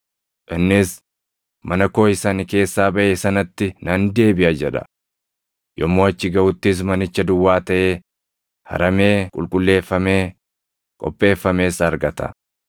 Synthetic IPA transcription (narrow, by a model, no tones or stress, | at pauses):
ʔɪnːɪs | mɐnɐko̞ːɪsanɪke̞ːsːaːbɐʔeːsɐnɐt̪ːɪnɐnd̪e̞ːbɪʔɐd͡ʒɛᶑɐ̥̰ | jɔmːoːɐt͡ʃːɪɡɐʔʊt̪ːɪs̬mɐnɪt͡ʃːɐd̪ʊwːaːt̪ɐʔe̞ː | hɐ̰ɾɐme̞ːkʼʊ̰lkʼʊlːe̞ːfːɐme̞ː | kʼɔ̰pʼːe̞ːfːɐme̞ːsɐɾɡɐt̪ɐ̰